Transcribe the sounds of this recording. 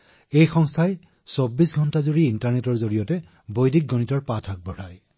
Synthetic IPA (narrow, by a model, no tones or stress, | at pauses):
ejxɔŋstʰaj | sobːisɡʱɔntazuɹiintaɹnetɔɹzoɹijɔtɛ | bojdik̚ɡonitɔɹpatʰak̚bɔɹaj